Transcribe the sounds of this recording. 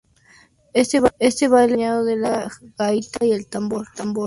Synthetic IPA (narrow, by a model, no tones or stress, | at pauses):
est̪eest̪eβajleɲaðoðelaɣ̥ait̪aielt̪amboɾt̪amboɾ